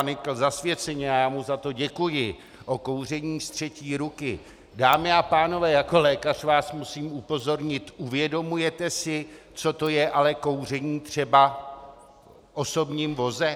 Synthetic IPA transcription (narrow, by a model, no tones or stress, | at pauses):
nɪkl̩zasvjɛt͡sɛɲɛajaːmuzat̪o̞ɟɛkujɪ | ʔo̞ko̞wr̝ɛɲiːst̪r̝̥ɛciːɾukɪ | daːmɪapaːno̞vɛːjako̞lɛːkar̝vaːsmusiːmupo̞zo̞ɾɲɪt̪ʔuvjɛdo̞mujɛt̪ɛsɪ | t͡so̞t̪o̞jɛʔalɛko̞wr̝ɛɲiːt̪r̝̥ɛba | ʔo̞so̞bɲiːmvo̞zɛ